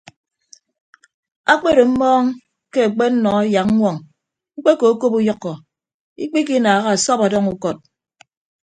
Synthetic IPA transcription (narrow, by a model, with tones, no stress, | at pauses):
a˦k͡pe˦ɾe˨m̩˦mɔː˦ŋ | ke˦a˨k͡pe˦n̩˦nɔ˨a˦ja˨k̩̚˦ŋʷɔ˨ŋ | ŋ͡m̩˦k͡pe˦ko˨˦ko˦pu˦jɔ˦kːɔ˨ | ḭ˦k͡pi˦ki˦naː˨ɣa˦a˨sɔ˦pa˨dɔ˦ŋu˦kɔ˦˨t̚